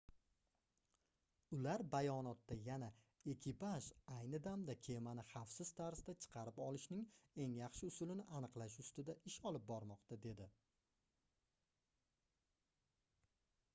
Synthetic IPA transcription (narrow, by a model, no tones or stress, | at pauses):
ʊlaɾbajɒnɒt̪ːajana | e̞kʲɪpʰaʒajnɪd̪amd̪akʲʰe̞manɪχɑfsɪz̥t̪ʰaɾzd̪at͡ʃʰɨ̥qʰɑɾɪpɒlˠɪʃnɪŋe̞ŋjɑχʃɪʊsʊlɪnɪʔanɨqlˠaʃ̬ʊst̪ɪd̪aʔɪʃɒlˠɪp̚bɒɾmɒqt̪ʰad̪e̞d̪ɪ